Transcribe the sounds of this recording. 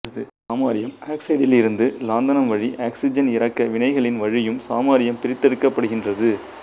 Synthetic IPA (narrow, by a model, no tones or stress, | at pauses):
ɐðɯsaːmaːɾɪjɐmaːksɐɪɽɪlɪɾɯnd̪ɯlaːnd̪ɐnɐmʋɐɻiʔaːksɪd͡ʒɐnɪɾɐkːɐʋɪnɐɪɣɐɭɪnʋɐɻɪjɯmsaːmaːɾɪjɐmpɪɾɪt̪ːɛɽɯkːɐpːɐɽɯɣɪndrɐðɯ